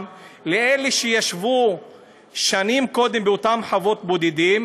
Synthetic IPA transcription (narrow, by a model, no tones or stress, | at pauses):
mleeleʃejaʃvu | ʃanimko̞d̪embeot̪amħavo̞t̪̚bo̞d̪id̪im